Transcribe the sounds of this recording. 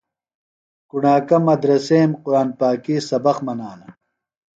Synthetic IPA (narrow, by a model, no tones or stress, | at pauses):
kuɳaːkɐmːɐd̪ɾɐseːmqʊɾaːnpaːkisɐbɐxmɐnaːnɐ